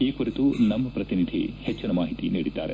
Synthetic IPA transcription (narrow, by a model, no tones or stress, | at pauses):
iːkuɾit̪unɐmːɐpɾɐt̪inid̪ʱḭhet͡ʃːɐnɐmaːɦit̪iniːɽid̪ːa̰ːɾe